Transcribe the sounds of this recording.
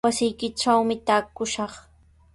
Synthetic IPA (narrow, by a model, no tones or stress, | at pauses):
asɪjkɪʈ͡ʂawmɪt̪aːkʊʃɑχ